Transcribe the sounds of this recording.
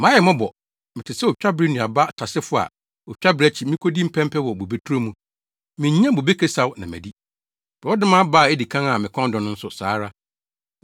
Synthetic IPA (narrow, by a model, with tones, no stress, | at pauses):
mã˦jɛ˨mɔ̃˦bɔ˨ | mɪ̃˨tʰɪ˨sɛ˦o˨t͡ɕᶣa˦bɾi˦nũ˨a˨ba˦tʰa˨sɪ˦fʊ˦a̰˨ | ɔ˨t͡ɕᶣa˦bɾi˨˦æ˨˦t͡ɕʰi˨mĩ˦kʰo˦di˦m̩˦pʰɛ̃˦m˦pʰɛ˦wɔ˨bo˨be˦tʰu˦ɾo˦mũ˦ | mɪ̃˨ɲ˦ɲ˦ã˦bo˨be˦kʰe˦sa˨wnã˨mæ̰˨di˦ | b̥ɔ˦dɪ̃˦mã˦ba˦˨e˦di˨kʰã˦ŋa˨mɪ̃˨kʰɔ̃˦n˦dɔ˨nʊ̃˦n̩˦sʊ˨saː˨˦ɾa˦